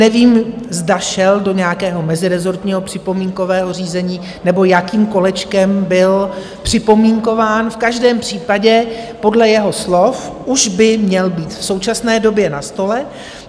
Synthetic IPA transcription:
nɛviːmzdaʃɛldo̞ɲɛjakɛːɦo̞mɛzɪɾɛzo̞ɾt̪ɲiːɦo̞pr̥ɪpo̞miːŋko̞vɛːɦo̞r̝iːzɛɲiː | nɛbo̞jakiːmko̞lɛt͡ʃkɛmbɪl | pr̝̥ɪpo̞miːŋko̞vaːnfkaʒdɛːmpr̝̥iːpaɟɛpo̞dlɛjɛɦo̞slofʔuʒbɪmɲɛlbiːt̪fso̞wt͡ʃasnɛːdo̞bjɛnast̪o̞lɛ

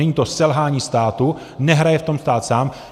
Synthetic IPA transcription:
ɛɲiːt̪o̞sɛlɦaːɲiːst̪aːt̪u | nɛɦɾajɛft̪o̞mst̪aːt̪saːm

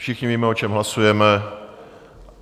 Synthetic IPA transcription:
ʃɪxɲɪviːmɛo̞t͡ʃɛmɦlasujɛmɛ

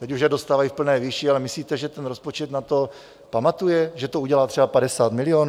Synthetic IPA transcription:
t̪ɛcuʃjɛdo̞st̪aːvajifpl̩nɛːviʃialɛmɪsliːt̪ɛʒɛt̪ɛnɾospot͡ʃɛt̪nat̪o̞ | pamat̪ujɛʒɛt̪ouɟɛlaːt̪r̥ɛbapadɛsaːt̪mɪlɪoːn

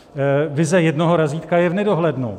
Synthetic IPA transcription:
vɪzɛjɛdno̞ɦo̞ɾaziːt̪kajɛvnɛdo̞ɦlɛdno̰

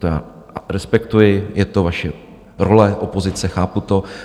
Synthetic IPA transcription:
t̪oja̰ː | ɾɛspɛkt̪ujɪjɛt̪o̞vaʃɛ | ɾolɛʔopo̞zɪt͡sɛxaːput̪o̞

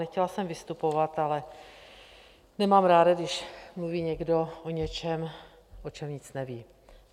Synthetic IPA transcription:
nɛxcɛlasɛmvɪst̪upo̞vat̪alɛ | nɛmaːmɾaːdaɡdɪʃmluviːɲɛɡdo̞ʔoɲɛt͡ʃɛm | ʔot͡ʃɛmɲɪt͡snɛviː

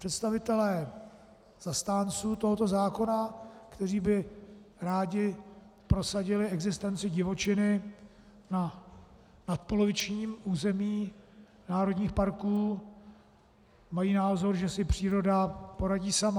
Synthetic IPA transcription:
pr̥ɛt̪st̪avɪt̪ɛlɛː | z̥ast̪aːnt͡suːt̪o̞ɦot̪o̞zaːko̞nakt̪ɛriːbɪɾaːɟɪ | pɾo̞saɟɪlɪɛɡzɪst̪ɛnt͡sɪɟɪvo̞t͡ʃɪnɪ | na | nat̪̚po̞lo̞vɪt͡ʃɲiːmuːzɛmiː | naːɾo̞dɲiːxpaɾkuː | majiːnaːzo̞ɾʒɛsɪpr̝̥iːɾo̞dapo̞ɾaɟiːsama

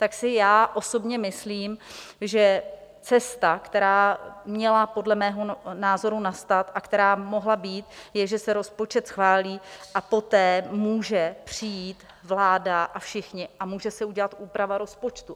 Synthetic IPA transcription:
t̪aksɪjaːʔo̞so̞bɲɛmɪsliːmʒɛ | t͡sɛst̪akt̪ɛɾaːmɲɛlapo̞dlɛmɛːɦo̞naːzo̞ɾunast̪at̪ʔakt̪ɛɾaːmo̞ɦlabiːt̪jɛʒɛsɛɾo̞spo̞t͡ʃɛt̪sxvaːliːʔapo̞t̪ɛːmuːʒɛpr̝̥ɪjiːt̪ | vlaːdaʔafʃɪxɲɪʔamuːʒɛsɛuɟɛlat̪ʔuːpɾavaɾo̞spo̞t͡ʃt̪u

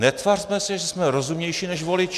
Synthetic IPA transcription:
nɛt̪varsmɛsɛʒɛsmɛɾozumɲɛjʃiːnɛʃvo̞lɪt͡ʃ

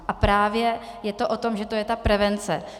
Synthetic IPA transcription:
ʔapɾaːvjɛ | jɛt̪o̞ʔo̞t̪o̞mʒɛt̪o̞jɛt̪apɾɛvɛnt͡sɛ

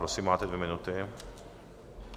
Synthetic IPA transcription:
pɾoksimat̪ed̪veminut̪e

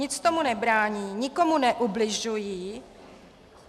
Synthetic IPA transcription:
ɪt͡st̪o̞munɛbɾaːɲiːɲɪko̞munɛʔublɪʒujiː

